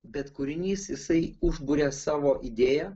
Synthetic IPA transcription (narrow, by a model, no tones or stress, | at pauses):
bʲɛt̪kʊɾʲɪnʲiːsjɪsɐɪʊʒbʊɾʲɛːsɑːʋoːʔid̪ʲeːjɛ